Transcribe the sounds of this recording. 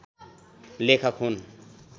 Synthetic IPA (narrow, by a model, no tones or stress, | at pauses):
lekʰʌkɦun